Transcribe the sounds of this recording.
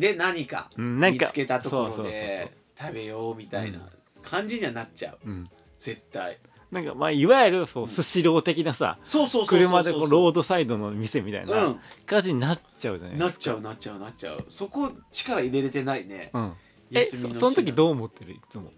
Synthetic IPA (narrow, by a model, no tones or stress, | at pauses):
d̪e̞naɲ̟ika̰ɯ̟̃nãŋikaɨ̥ke̞t̪at̪osooɾosodːeos | t̪ʰabe̞joːmʲit̪aḭna̰ | kʰãɲ̟d͡ʑiɲ̟iβanat͡ɕa̰ɯ̟ɯ̟̃ | z̥e̞t̪ːai | nãŋkamaiβajɾɯ̟soːsɨɕiɾo̞ːt̪e̞kʲinasa̰soːsoːskɯ̟ɾɯ̟mad̪eko̞ɾo̞ːd̪o̞said̪o̞no̞mʲise̞mʲit̪a̰inãkat̪at͡ɕiɲ̟inat͡ɕaɯ̟a̰na̰nat͡ɕaɯ̟natt͡ɕaɯ̟nat͡ɕa̰ɯ̟̰so̞ko̞t͡ɕi̥kaɾaiɾe̞ɾe̞t̪e̞nainḛɯ̃ | jaeɨsmʲiosonot̪ok̬ʲid̪o̞ːmo̞t̪ːe̞ɾɯ̟it͡sɨmo̞̰